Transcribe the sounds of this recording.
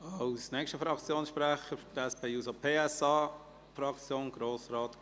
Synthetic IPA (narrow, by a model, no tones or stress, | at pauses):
ɑwsnɛkʃtəfɾɑkt͡sjoːnsʃpɾæχəftɛspeːjuːsopʰeːɛsɑː | fɾɑkt͡sjoːnɡ̥ɾoːsɾɑːt̪